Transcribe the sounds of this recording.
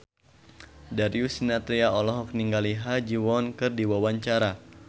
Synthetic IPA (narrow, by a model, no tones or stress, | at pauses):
daɾiusinat̪ɾiaɔlɔɦɔk̚niŋɡaliɦad͡ʒiwɔnkɨrdiwawaɲt͡ʃaɾa